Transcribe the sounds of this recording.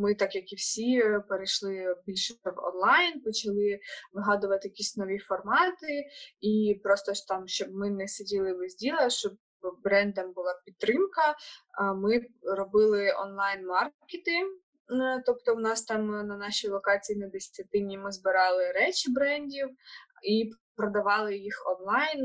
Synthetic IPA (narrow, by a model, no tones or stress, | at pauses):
mɪt̪ɑkjɐkiwsʲipeɾeʃlˠɪbʲilʲʃɪɐwɔ̰nlˠɑjnpɔt͡ʃɐlˠɪʋɪɦɑd̪ʊʋɐt̪ɪjɐkʲisʲnɔʋʲifɔrmɑt̪ɪipɾɔst̪ɔt̪ɑmʃt͡ʃɔb̚mɪnɛsʲedʲilˠɪlɪzʲdʲilˠɐʃt͡ʃɔb̚ | bɾɛnd̪ɐmbʊlˠɑpʲidt̪ːɾɪmkɐ | mɪrɔbɪlˠɪɔ̰nlˠɑjnmɑrkʲɪt̪ɪ | t̪ɔp̚t̪ɔwnɑst̪ɑmnɐnɑʃʲijlˠɔkɑt͡sʲijːnɐd̪esʲt͡sʲɐt̪ɪnʲimɪzbɪɾɑlˠɪɾɛt͡ʃɪbɾɛnʲdʲiw | ipɾɔd̪ɐʋɑlˠɪjixɔnlˠɑjn